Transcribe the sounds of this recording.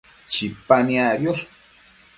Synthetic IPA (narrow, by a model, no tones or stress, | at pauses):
t͡ʃipanjabjoɾ